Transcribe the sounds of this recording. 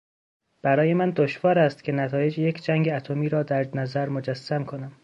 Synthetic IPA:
b̥æɾɒːje̞mænd̪oʃvɒːɾæst̪cʰʲe̞næt̪ʰɒːje̞d͡ʒjecʰd͡ʒæŋɟeæt̪ʰomiːɾɒːd̪æɾnæzæɾmod͡ʒæsːæmkʰonæm

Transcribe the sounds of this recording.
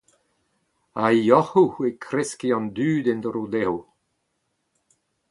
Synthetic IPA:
ajɔhuekʰɾɛskiɑ̃nd̪yːd̪ɛnd̪əɾud̪ɛw

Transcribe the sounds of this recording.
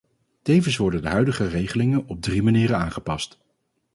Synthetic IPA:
tejvəns̬ʋɔɹdəndəɦœɥdəχərejχəlɪŋənɔb̚drimaniːɾənaːnχəpɑst

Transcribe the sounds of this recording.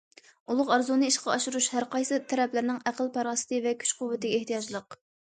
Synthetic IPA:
ulˠʊqɑɾzunɨiʃqɑɑʃuɾuʃhæɾqɑjsɨt̪ʰɛɾɛplɪɾnɪŋæqʰəlˠpʰɑɾɑːsɨ̥t̪ɨvɛkʲʰy̥t͡ʃqʰʊwvːɪt̪ɪɡʲɛeht̪ijɑd͡ʒlˠəq̚

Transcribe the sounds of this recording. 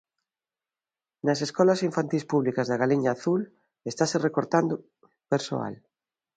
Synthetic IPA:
nɐseskɔlɐsiɱfant̪ispuβlikɐzðaɣaliɲaːθul | est̪aserekoɾt̪and̪o | peɾso̰a̰l

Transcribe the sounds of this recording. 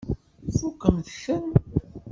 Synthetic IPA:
fukːəmθçən

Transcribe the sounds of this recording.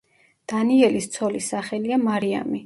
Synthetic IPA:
d̪̥aniɛlist̪sʰɔlisaχɛliamaɾia̰mi

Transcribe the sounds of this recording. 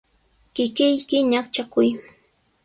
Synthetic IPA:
kɪkɪjkɪɲakt͡ʃakʊj

